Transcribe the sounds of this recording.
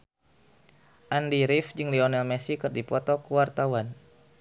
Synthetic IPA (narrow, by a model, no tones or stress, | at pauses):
ʔandiɾifd͡ʒɨŋliɔnɛlmɛsikɨrdipɔt̪ɔkuwart̪awan